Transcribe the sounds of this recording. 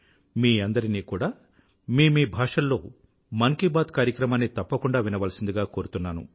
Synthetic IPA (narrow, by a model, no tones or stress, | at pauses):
miːɐnd̪ɐɾiniːkuːɽaː | miːmiːbʱaːʂɐlːo̞̰ː | mɐŋkibaːd̪kaːɾjɐkɾɐmaːnːit̪ɐpːɐkuɳɖaːʋinɐʋɐlɐsind̪iɡaːko̞ːɾut̪unːaːnṵ